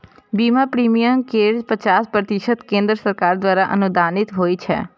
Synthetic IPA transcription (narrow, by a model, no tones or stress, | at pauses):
bimapɾimijəmkeɾzpət͡ʃaspɾət̪ɪʃət̪kẽːnd̪ɾəsəɾkaːɾd̪ʋaːɾaʔə̰nud̪anɪt̪ɦoːit͡ʃʰɛ̰ː